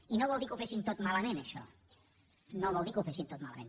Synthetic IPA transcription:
inoβɔlˠikufesimt̪ot̪malɐmẽnəʃɔ̰ | noβɔlˠd̪ikufesimt̪ot̪malamḛ̃n

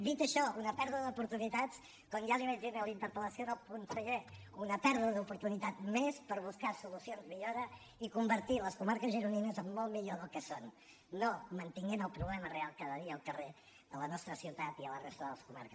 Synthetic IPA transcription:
d̪it̪əʃɔunəpɛɾðuðəðupuɾt̪unit̪at͡s | kɔnjaliməʒinəlint̪əɾpələsioðəlˠpunsəɣɛunəpɛɾðuðəðupuɾt̪unit̪at̪mespəɾβuskasulusionzmiʎoɾə | ikumbəɾt̪iləskumaɾkəzʒəɾuninəzəmːɔlˠmiʎoðəlˠkəsonː | omənt̪iŋɡenəlˠpɾuβlɛmərealˠkaðəðiəːlˠkəre | ələnɔst̪ɾəsiwt̪at̪iələrest̪əðəlˠəskuma̰ɾkəs

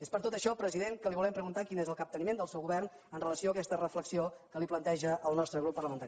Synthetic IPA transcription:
espəɾt̪ot̪əʃɔpɾəziðeŋkəliβulɛmpɾəɣunt̪akinezəlˠkəp̚t̪ənimend̪əlˠsɛwɣuβɛrn | ənrələsioəkɛst̪ərəfləksiokəliplənt̪ɛʒəʔːlˠnɔst̪ɾəɣɾupːərləmənt̪aɾi

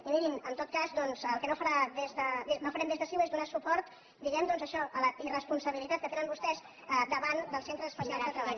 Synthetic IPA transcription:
imiɾinənt̪ot̪̚kazd̪ɔnzəlˠkənofəɾaðezðəenofəɾɛmd̪ezðəsiwezðunasupɔɾt̪ | d̪iɣɛmd̪ɔnzəʃɔʔələirəspunsəβilit̪at̪̚kət̪eɾəmbust̪ɛz | əd̪əβand̪əlˠsent̪ɾəəspəsialðt̪ɾəβaʎ

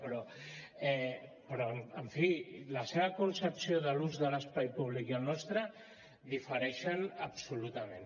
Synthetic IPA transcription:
pɾɔ | ɛpɾɔəɱfiləseβɐkunsəpsioðəluzðələspajpuβlikəlnɔst̪ɾə | ðifəɾɛʃənəpsulut̪amẽn

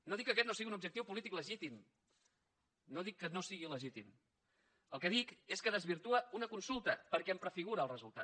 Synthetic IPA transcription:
noðikːəkɛt̪nosiɣiunubd͡ʒək̚t̪iwpulit̪ikləʒit̪im | noðikːənosiɣiləʒit̪im | əlˠkəðikeskəðəzβiɾt̪uəunəkunsulˠt̪əpəɾkɛəmpɾəfiɣuɾəːlˠrəzulˠt̪a̰

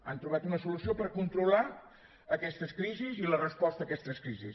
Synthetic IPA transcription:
a̰nt̪ɾuβ̞at̪unəsulusiopəɾkunt̪ɾula | əkɛst̪əskɾizizilərəspɔst̪əːkɛst̪əskɾizis

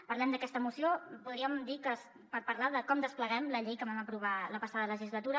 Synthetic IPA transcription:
pərlɛmd̪əkɛst̪əmusiopuðɾiəmd̪ikəs | pəɾpərlaðəkɔmd̪əspləɣɛmləʎejkəβaməpɾuβ̞aləpəsaðələʒizlət̪uɾə

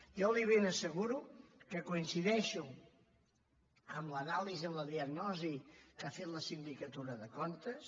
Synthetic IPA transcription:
jɔliβ̞enəsəɣuɾukəkuinsiðɛʃu | əmlənalizəmləðiəɡnɔzikafet̪ləsind̪ikət̪uɾəðəkont̪əs

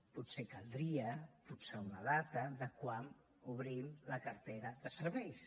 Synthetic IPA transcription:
put̪sekəlˠd̪ɾiəputseunəðat̪əðəkwan | uβ̞ɾimləkəɾt̪eɾəðəsəɾβɛjs

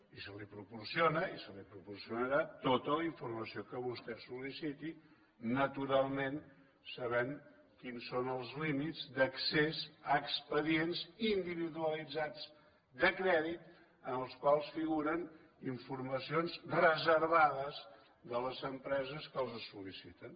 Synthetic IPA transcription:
isəlipɾupuɾsionəisəlipɾupursiunəɾat̪ot̪ələiɱfuɾməsiokəβust̪ɛsulisit̪i | nət̪uɾalˠmẽn | səβɛŋ | kinsːonəlˠzlimizd̪əksezəːkspəðienzind̪iβiðuəlid͡zad͡z | d̪əkɾɛðit̪ | ənəlˠskwalˠsfiɣuɾən | iɱfuɾməsionzrəzəɾβaðəz | d̪ələzəmpɾɛzəskəlˠzəsulisit̪ən

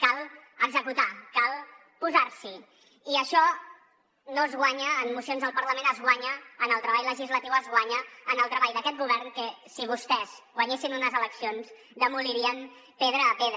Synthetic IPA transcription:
kalˠəɡzəkut̪akalˠ | puzaɾsi | iəʃɔ | nozɣwaɲəːnmusionzðəlˠpəɾləmẽnəzɣwaɲəːnəlˠt̪ɾəβajləʒizlət̪iwəzɣwaɲəːnəlˠt̪ɾəβajd̪əkɛt̪̚ɡuβ̞ɛɾnkəsiβ̞ust̪ɛz̥ɣwəɲesinunəzələksionz | d̪əmuliɾiən | peðɾəːpeðɾ

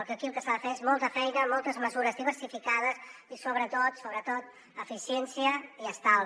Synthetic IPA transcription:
ɔɾkeəkilˠkəsaðəfeezmɔlˠt̪əfɛjnəmɔlˠt̪əzməzuɾəzðiβ̞əɾsifikaðəsisoβɾət̪ot̪soβɾət̪ot̪̚ | əfisjɛnsiəiəst̪alˠ

